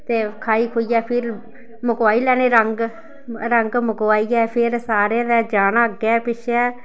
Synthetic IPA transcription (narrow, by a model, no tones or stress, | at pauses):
t̪eːkʰaːiːkʰoːiːɛːpʰɪɾ | məkaːiːlɛːñeːɾəŋɡ | ɾəŋɡməkːaːiːɛːpʰɪɾsaːɾed̪ɛːd͡ʒaːnaːɡɛːpɪʃʰɛː